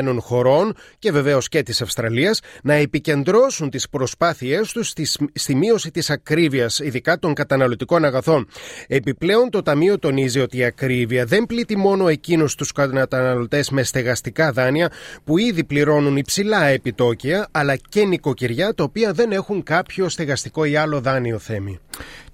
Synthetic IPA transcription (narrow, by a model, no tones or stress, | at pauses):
no̞nxo̞ɾo̞nce̞ve̞ve̞o̞sce̞t̪isɐfst̪ɾɐliɐsnɐepice̞nd̪ɾo̞sunt̪ispɾo̞spɐθie̞st̪usst̪imio̞sit̪isɐkɾiviɐsiðikɐt̪o̞ŋkɐt̪ɐnɐlo̞t̪iko̞nɐɣɐθo̞ne̞piple̞o̞nt̪o̞t̪ɐmio̞t̪o̞nizio̞t̪iːɐkɾiviɐðe̞mplit̪imo̞no̞e̞cinust̪uskɐnɐt̪ɐnɐlo̞t̪e̞zme̞st̪e̞ɣɐst̪ikɐðɐniɐpuiðipliɾo̞nunipsilɐe̞pit̪o̞ciɐɐlɐce̞niko̞ciɾʝɐt̪ɐopiɐðe̞ne̞xuŋkɐpço̞st̪e̞ɣɐst̪iko̞iɐlo̞ðɐnio̞θe̞mi